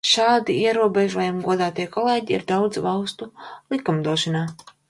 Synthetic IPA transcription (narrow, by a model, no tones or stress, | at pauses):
ʃaːd̪iiɛɾuɔbɛʒuɔjamɡuɔd̪aːt̪iɛkɔlˠeːɟiḭɾd̪awd̪zvalˠst̪ulˠikumd̪uɔʃanaː